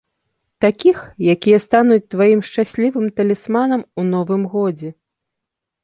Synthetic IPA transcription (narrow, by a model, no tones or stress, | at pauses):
t̪akʲixjakʲijɛst̪anut͡sʲt̪vajimʂt͡ʂasʲlʲivɨmt̪ɐlʲɛsmanɐmunɔvɨmɣɔd͡zʲɛ